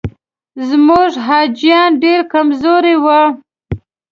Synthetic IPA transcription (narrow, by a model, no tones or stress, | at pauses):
zmuʐɦɑd͡ʒijɑnɖeɾkamzoɾewə